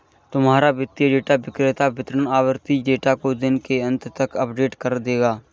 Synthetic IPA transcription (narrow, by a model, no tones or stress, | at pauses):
t̪ʊmɦaːɾabɪt̪ːjəɖeːʈaʋɪkɾɪt̪abɪt̪ɾənaːʋəɾt̪iɖeːʈakod̪ɪnkeɐ̃nt̪t̪ɐkɐpɖeːʈkɐɾd̪eːɡaː